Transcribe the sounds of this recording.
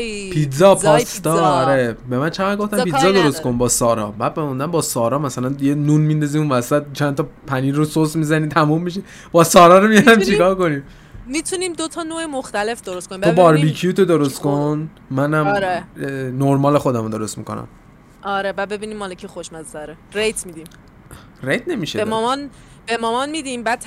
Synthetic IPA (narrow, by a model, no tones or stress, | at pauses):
pʰizɒpʰɒst̪ɒːɾebe̞mænt͡ʃʰeʁæd̪ɡoft̪æmpizɒd̪o̞ɾost̪ko̞nbɒːsɒɾɒ̰bæːd̪̚bemund̪æmbɒsɒːɾɒːmæsælænjenunmind̪ɒziunvæsæt̪̚t͡ʃʰænt̪ʰɒpʰæniːɾososmizænit̪ʰæmumːiʃ̬i | b̥ɒːsɒːɾɒːɾomijɒd̪æmt͡ʃʰikɒːɾko̞nim | mit̪ʰuniːmd̪ot̪ʰɒnoːemoxt̪æle̞fd̪oɾost̪konimbobɒɾbikʰijut̪ʰod̪oɾost̪kʰon | mænæmɾenoɾmɒːle̞xo̞d̪æmod̪oɾost̪mḭko̞̰næ̰m | ʔɒɾebæːd̪̚be̞biːniːmːɒːlecʰixoʃmæzæɾeɾejt̪ʰmid̪iːm | ɾejt̪ʰne̞miʃeemmɒn | bemɒmɒnmid̪imbæːd̪̥̚ʰ